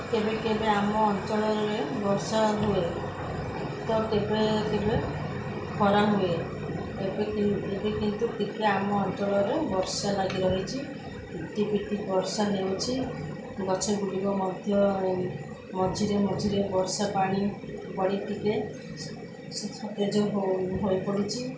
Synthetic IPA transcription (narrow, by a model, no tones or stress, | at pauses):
t̪ebekebeamɔːnt͡ʃɔɭɔɾɾebɔɾsaɦue | t̪ɔt̪ebet̪ebe | kʰɔɾaɦue | ebekebekint̪utikeamɔːnt͡ʃɔɭɔɾebɔɾsalaɡiɾɔɦit͡ʃʰi | ʈipiʈibɔɾsaneut͡ʃʰi | ɡɔt͡ʃʰeɡuɽibɔmɔd̪ʱjɔ | mɔd͡ʒʱiɾemɔd͡ʒʱiɾebɔɾsapaɽ̃ibɔɽiʈike | sʰɔt̪ed͡ʒɔɦɦojpɔɽit͡ʃʰi